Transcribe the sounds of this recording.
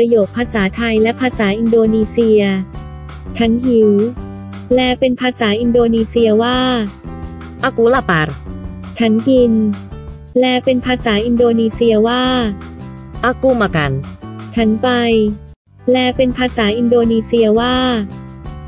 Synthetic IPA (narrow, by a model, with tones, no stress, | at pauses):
pɾa˧joː˨˩k̚pʰaː˧saː˩˦t̪ʰa˧jlɛ˦˥pʰaː˧saː˩˦ʔi˧ndoː˧niː˧si˧ɐ | t͡ɕʰa˦˥nhi˩˦w | lɛː˦˥pe˧npʰaː˧saː˩˦ʔi˧ndoː˧niː˧si˧ɐwaː˥˩ | ʔa˧ku˧˦la˧˩pa˧ɾt͡ɕʰa˦˥nki˧n | lɛː˦˥pe˧npʰaː˧saː˩˦ʔi˧ndoː˧niː˧si˧ɐwaː˥˩ | ʔa˧ku˧ma˨˩ka̰˧nt͡ɕʰa˦˥npa˧j | lɛː˦˥pe˧npʰaː˧saː˩˦ʔi˧ndoː˧niː˧si˧ɐwaː˥˩